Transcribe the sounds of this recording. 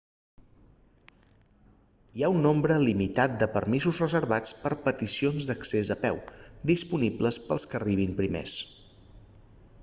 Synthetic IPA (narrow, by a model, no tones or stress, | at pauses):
iaunːombɾəlimit̪at̪̚d̪əpəɾmizuzrəzəɾβat͡spəɾpət̪isionzd̪əksezəpɛwd̪ispunibləspəlˠskəriβ̞impɾimḛs